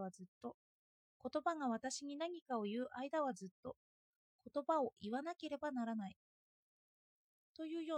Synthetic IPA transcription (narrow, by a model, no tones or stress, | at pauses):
βazɨt̪ːo̞ | ko̞t̪o̞baŋaβ̞at̪aɕiɲ̟inaɲ̟ikao̞jɯ̟ːʔaid̪aβ̞azɨt̪ːo̞ | ko̞t̪o̞bao̞ʔiβanake̞ɾe̞banaɾanai | t̪o̞jɯ̟ːjo̞ː